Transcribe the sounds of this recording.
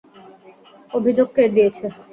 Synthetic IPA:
obʱid͡ʑoɡ̚ked̪ijet͡ɕʰe

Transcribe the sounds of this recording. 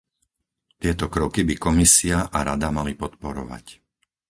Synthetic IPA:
t̪ɪɛt̪ɔkɾɔkibikɔmisiaʔaɾad̪amalipɔt̪pɔɾɔ̰ʋa̰c

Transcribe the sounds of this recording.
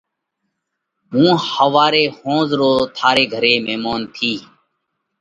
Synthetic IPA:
ɦũːhəʋaːɾeːhõːzɾoːt̪ʰaːɾeːɡʱəɾeːmeːmaːnt̪ʰiː

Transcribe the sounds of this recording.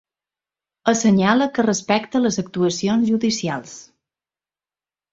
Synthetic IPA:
əsəɲaləkərəspɛkt̪ələzək̚t̪uəsionzʒuðisialˠs

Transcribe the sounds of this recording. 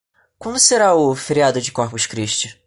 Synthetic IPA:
kwɐ̃nd̪ʊseɾaʊfeɾiad̪ʊd͡ʒɪkoχpʊʃkɾiʃt͡ʃɪ

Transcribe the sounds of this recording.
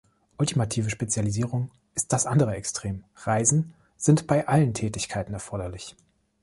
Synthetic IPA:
ʔʊltimatʰiːvəʃpet͡sjaliziːʁ̞ʊŋ | ʔɪst̚d̥asʔandəʁəɛkstʁ̥eːm | ʁaɪzn̩ | z̥ɪntb̥aɪʔaləntʰɛːtɪçkʰaɪtn̩ɛɐfɔɐdɐlɪç

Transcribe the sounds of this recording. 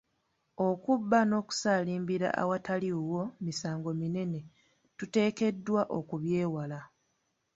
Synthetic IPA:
o̞kubːano̞ːku̥saːliːmbiɾa̰ʔa̰wataliuwo̞misaːŋɡo̞mine̞ne̞ | tute̞ːke̞dːwaʔo̞kuβje̞ːwala

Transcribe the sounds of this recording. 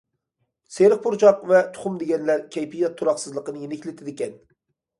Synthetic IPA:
seɾɨχ̚pʰʊɾt͡ʃʰɑqvɛt̪ʰʊ̥χʊmd̪eɡʲɛnlæɾkʲʰɛjpijɛt̪ʰːuɾɑχsɨzlˠəqənɨjenɪkʲlɪt̪ʰɪd̪ɪkʲɛn

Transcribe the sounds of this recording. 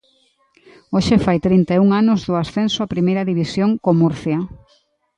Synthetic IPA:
oʃɪfajt̪ɾint̪euŋanʊzðʊasθensʊapɾimejɾɐðiβisjoŋkomuɾθjɐ

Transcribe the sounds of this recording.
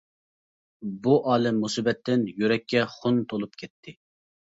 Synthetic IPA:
buʔɑːlɛmːusɨbɛt̪ʰːɪnjyɾɛkʲːɛχʊnt̪ʰolˠup̚kʲʰɛt̪ʰːɪ

